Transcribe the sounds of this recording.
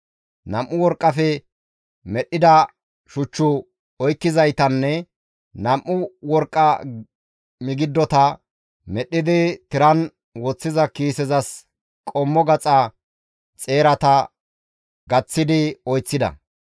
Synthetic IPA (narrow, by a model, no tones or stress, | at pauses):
nɐmʔːʊwɔɾkʼːɐfɛ | mɛɗːɪd̪ɐ | ʃʊt͡ʃːʊ | ɔjkːɪzɐjt̪ɐnːɛ | nɐmʔːʊwɔɾkʼːɐ | mɪɡɪd̪ːɔt̪ɐ | mɛɗːɪd̪ɪt̪ɪɾɐn | wɔt͡sːɪzɐkiːsɛzɐs | kʼɔmːɔɡɐt͡sʼɐ | t͡sʼe̞ːɾɐt̪ɐ | ɡɐt͡sːɪd̪ɪɔjt͡sːɪd̪ɐ̰